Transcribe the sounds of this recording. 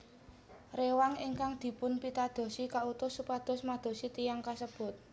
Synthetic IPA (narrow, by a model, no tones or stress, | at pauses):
rewaŋɪŋkaŋd̪̥i̤pʊnpit̪ad̪̥o̤sikaut̪ʊsːupad̪̥ɔ̤smad̪̥o̤sit̪ijaŋkasəb̥ʊ̤t̪̚